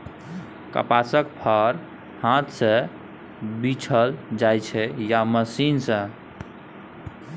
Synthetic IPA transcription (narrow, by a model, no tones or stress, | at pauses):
kə̰pasəkpʰəɾ | hãt̪sə̃ | bit͡ʃʰəld͡ʒajt͡ʃʰɛjaməsinsə̃